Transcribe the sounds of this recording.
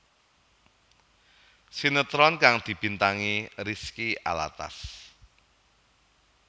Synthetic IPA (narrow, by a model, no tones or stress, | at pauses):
sinət̪ɾɔnkaŋd̪̥i̤b̥i̤nt̪aŋiɾiskia̰la̰t̪a̰s